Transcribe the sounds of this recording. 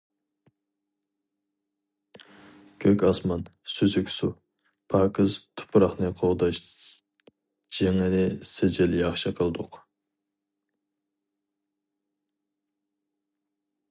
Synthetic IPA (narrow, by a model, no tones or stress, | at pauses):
kʲʰøkʲɑsmɑnsyzykʲsu | pʰɑːkʰəzt̪ʰʊ̥pʰɾɑχnɨqʰoʁd̪ɑʃ | d͡ʒeŋɪnɪsed͡ʒɪljɑχʃɨqʰəlˠd̪ʊq